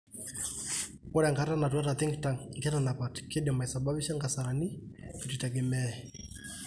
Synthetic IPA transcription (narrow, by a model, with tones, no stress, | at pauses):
kɔ˦ɾaŋɡa˦ɾa˦na˨t̬wa˦ɾa˨t̪i˦ŋɡitaŋɡɛ˦ɾana˨pa˨tke˦ɗɛma˨isa˨baβiʃa˦ŋɡa˨saɾa˨ni˦ki˨ti˨tɛ˨ɡɛ˨mɛɛ